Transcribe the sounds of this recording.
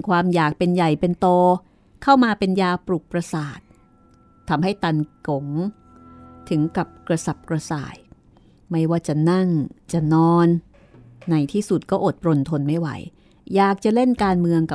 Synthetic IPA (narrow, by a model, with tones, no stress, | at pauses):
kʰwaː˧mjaː˨˩k̚pe˧nja˨˩jpe˧nt̪oː˧ | kʰa˥˩wmaː˧pe˧njaː˧wpɾuː˨˩k̚pɾa˧saː˨˩t̪̚ʰː | a˧mɦa˥˩jt̪a˧nko˨˩˦ŋ | t̪ʰɯ˩˦ŋka˨˩p̚kɾa˧sa˨˩p̚kɾa˧sa̰ː˨˩j | ma˥˩jwaː˥˩t͡ɕa˨˩na˥˩ŋt͡ɕa˨˩nɔː˧nː | a˧jt̪ʰiː˥˩su˨˩t̪̚kɔː˥˩ʔo˨˩t̪̚pɾo˧nt̪ʰo˧nma˥˩jwa̰˨˩˦j | jaː˨˩k̚t͡ɕa˨˩le˥˩nkaː˧nmɯ˧əŋka˨˩